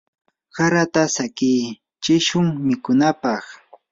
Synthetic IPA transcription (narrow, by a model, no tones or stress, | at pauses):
kaɾat̪asakij | t͡ʃɪʃʊŋmɪkʊnapɑχ